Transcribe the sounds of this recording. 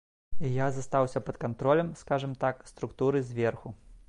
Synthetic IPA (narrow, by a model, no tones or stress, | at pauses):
ijazast̪awsʲɐpɐt̪kant̪ɾɔlʲɐmskaʐɨmt̪akst̪ɾukt̪uɾɨzʲvʲɛrxu